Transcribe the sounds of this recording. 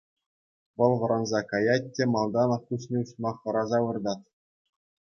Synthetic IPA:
ʋɤ̆lˠʋɤ̆ɾɑnzɑkɑjɑt̚ʲːĕmɑlˠd̪ɑnɑfkus̬nʲeuɕmɑχːɤ̆ɾɑzɑʋɯ̆rd̪ɑt̪̚ʲ

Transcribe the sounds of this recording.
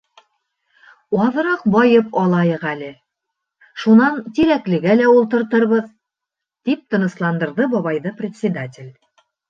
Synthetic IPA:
ɑð̆ɾɑq̚bɒjɤpɑlˠɑjɤqælɘ | ʃunɑnt̪iɾæklɘ̆ɡælæulˠt̪ɤ̆ɾt̪ɤ̆ɾβɤð | t̪ip̚t̪ɤ̆nɤ̆slˠɑnd̪ɤ̆ɾðɤbɒβɑjðɤprʲɪt̪ʲsʲɪd̪atʲɪlʲ

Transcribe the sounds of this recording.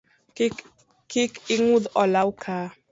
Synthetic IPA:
kikiŋudɔlawukʰaː

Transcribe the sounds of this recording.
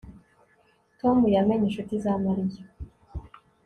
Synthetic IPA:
tomujameɲeʃutizamaɾije

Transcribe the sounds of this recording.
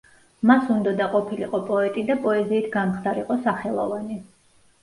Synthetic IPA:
masund̪ɔd̪aqʼɔpʰiliqʼɔpʼɔɛt̪ʼid̪apʼɔɛziːt̪ʰɡamχd̪aɾiqʼɔsaχɛlˠɔvani

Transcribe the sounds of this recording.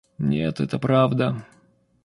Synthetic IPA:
nʲḛt̪ɛt̪əpɾavd̪ə

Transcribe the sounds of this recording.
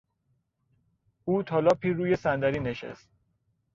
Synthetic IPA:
uːt̪ʰɒːlɒːpʰiːɾuːje̞sænd̪æɾiːneʃḛst̪̚

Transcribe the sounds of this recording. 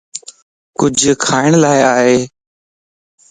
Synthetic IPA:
kʊd͡ʒʱkʰaːɪɳlaːɪaːɦeː

